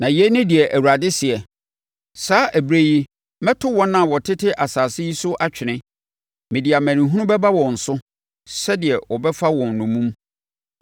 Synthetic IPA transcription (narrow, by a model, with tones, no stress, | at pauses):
nã˨jɛ˦nʊ̃˦di˨ɛ˨ʔæ˨wu˨ɾa˨dɪ˦sɪ˨ɛ˨ | saː˦ʔæ˨bɾe˦ji˦ | mɛ̃˦tʰʊ˦wɔ̃˦nːã˨wɔ˨tʰɪ˦tʰɪ˦ʔa˨saː˨sɪ˦ji˦sʊ˦ʔa˨t͡ɕᶣɪ˨nɪ̃˦ | mɪ̃˨di˨a˨mæ̃˨ñĩ˨ɦũ˦nʊ̃˦bɛ˦ba˦wɔ̃˨n̩˨sʊ˦ | sɛ˦dɪ˨ɛ˨wɔ˨bɛ˦fa˦wɔ̃˨nnʊ̃˨mũ˦m